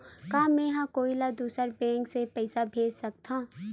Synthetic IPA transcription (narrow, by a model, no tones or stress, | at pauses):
kaːmɛ̃ːɦãkoːilad̪uːsəɾbɛ̃ːŋksepɛɪsabʱeːd͡ʒsɐk̚t̪ã